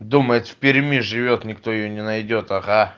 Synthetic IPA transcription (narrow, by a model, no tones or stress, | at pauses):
d̪uməjɪt̪fʲpʲɪɾʲmʲiʐɨvʲo̞t̪nʲɪkt̪o̞jɪjonʲɪnɐjdʲo̞t̪ɐɣa